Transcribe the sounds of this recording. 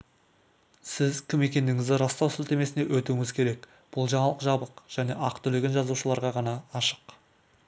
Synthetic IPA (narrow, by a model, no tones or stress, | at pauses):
sɪzkʲʰɪme̞kʲe̞nd̪ɪŋɪzd̪ɪɾɑst̪ɑwsɪlt̪e̞me̞sɪne̞wɵt̪uɪŋɪzkʲʰe̞ɾe̞k | b̥ʊlˠʒɑɴɑlˠəqʒɑbəqʒ̥æne̞ʔɑqt̪ʰʏleɡʲenʒɑzuʃəlˠɑɾʁɑʁɑnɑːʃə̥q